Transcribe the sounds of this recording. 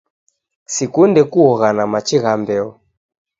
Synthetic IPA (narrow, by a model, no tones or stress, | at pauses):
sikundɛkuɔɣanamat͡ʃiɣambɛɔ